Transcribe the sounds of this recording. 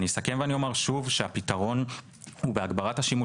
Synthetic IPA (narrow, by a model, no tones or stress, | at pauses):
nijsakemveanio̞meʁʃuvʃeapitaʁo̞n | hubeaɡbaʁathaʃimu